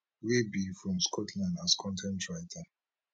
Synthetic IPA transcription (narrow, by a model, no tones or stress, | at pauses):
webifɹɔ̃mskʰɔtʰlãɪ̃ntaskʰɔ̃ntʰɛ̃ntɹaɪtʰa